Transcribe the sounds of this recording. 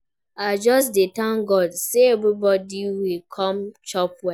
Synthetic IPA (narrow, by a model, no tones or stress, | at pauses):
ad͡ʒɔsdetãŋɡɔdseebɾibɔdiwilkʰɔmt͡ʃɔpwɛ